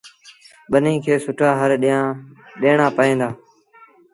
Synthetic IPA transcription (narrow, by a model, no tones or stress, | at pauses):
ɓənĩːkʰeːsʊʈʰaːɦəɾɗãːɗeːɳaːpəẽːnd̪aː